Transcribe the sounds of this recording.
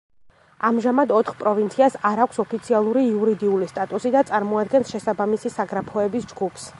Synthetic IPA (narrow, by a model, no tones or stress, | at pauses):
amʒamad̪ɔt̪ʰχpʼɾɔvint̪sʰiasaɾakʷʰsɔpʰit̪sʰialˠuɾiːuɾid̪iulist̪ʼat̪ʼusid̪at̪sʼaɾmɔad̪ɡɛnsʃɛsabamisisaɡɾapʰɔɛbisd͡ʒɡupʰs